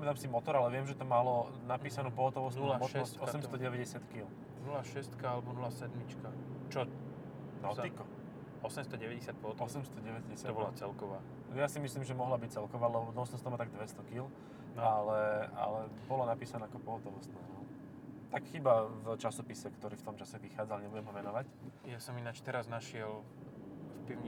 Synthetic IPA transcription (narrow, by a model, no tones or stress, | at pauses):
pamɛt̪amsimɔt̪ɔɾalɛʋɪɛmʒɛt̪ɔmalɔ | napiːsanuːpɔɦɔt̪ɔʋɔst̪ːlmɔʃɛɔsɔsɛmst̪ɔɟɛʋɛɟɛsɪat̪kil | nulaʃɛst̪kaalɛbɔnulaːsɛd̪mit͡ʃkat͡ʃɔ | nɔt̪ikɔ | ɔsɛmst̪ɔɟɛʋɛɟɛsjat̪̚pɔɦɔt̪ɔsɛmst̪ɔɟɛʋɛɛsɪat̪ɔbɔlat͡sɛlkɔʋaː | jasimisliːmʒɛmɔɦlabic̚t͡sɛlkɔʋaːlɛbɔt̪ɔlɔst̪ɔst̪ɔmat̪aɡ̚d̪ʋɛst̪ɔkil | nalɛa̰lɛbɔlɔnapiːsanaakɔpɔɦɔt̪ɔlɔst̪nɔst̪ɔʊ | t̪akxiːbavt͡ʃasɔpisɛkt̪ɔɾiːft̪ɔmt͡ʃasɛʋixaːd͡zalɲɛbuɟɛmɦɔʋɛnɔʋacjasɔminat͡ʃt̪ɛɾaznaʃɪɛl | fpiʊɲi